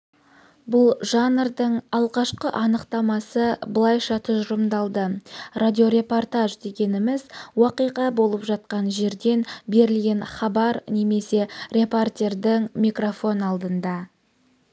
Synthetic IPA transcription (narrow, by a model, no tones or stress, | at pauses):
bʊlˠʒɑnɾd̪əɴɑlˠʁɑʃqəʔɑnəqt̪ɑmɑsəbəlˠɑjʃɑt̪ʰʊʒɾəmd̪ɑlˠd̪əradʲio̞ɾe̞po̞rt̪aʒd̪e̞ɡʲe̞nɪmɪzwɑqijqɑbo̞lˠəpʒɑt̪̚qɑnʒe̞ɾd̪e̞nbe̞ɾɪlɡʲe̞nχɑbɑɾneme̞se̞rʲe̞port̪ʲe̞rd̪ɪŋmijkro̞fo̞nɑlˠd̪ənd̪ɑ